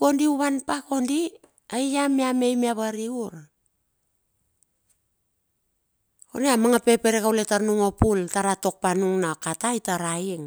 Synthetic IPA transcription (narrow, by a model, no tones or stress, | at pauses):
o̞ndiuβanpako̞ndi | ajjameame̞jmiaβaɾiuɾ | oneamaŋape̞pe̞ɾekawletaɾnuŋo̞pultaɾato̞k̚panuŋnakataitaɾaiŋ